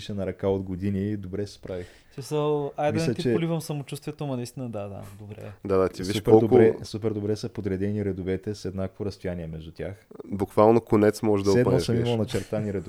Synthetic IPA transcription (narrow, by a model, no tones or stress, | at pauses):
iʃɛnɐɾɐkaod̪ɡod̪inid̪obɾɛsɛspɾavix | smisəlˠajd̪milʲɛt̪it͡ʃɛolivəmsɐmot͡ʃust̪vʲiɛt̪omɐnɐist̪inɐd̪ad̪a̰d̪obɾɛ̰d̪ad̪at̪ivsiiʃupɛɔlˠd̪okɾɛsupɛɾd̪obɾɛsəpod̪ɾɛd̪ɛniɾɛd̪ovɛt̪ɛsɛd̪nakvoɾɐst̪ojaniɛmɛʒd̪ut̪ʲaxbʊkvalˠnokonɛt̪smɔʒɛʒd̪ɐsɛdɐɔsəmimɐlˠnɐt͡ʃɛɾt̪aniɾɛd̪o